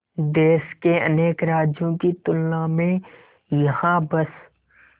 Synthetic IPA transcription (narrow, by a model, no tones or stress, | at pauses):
d̪eːʃkeɐ̰neːkɾaːd͡ʒjõkit̪ʊlnãmẽ | jɐhãbɐs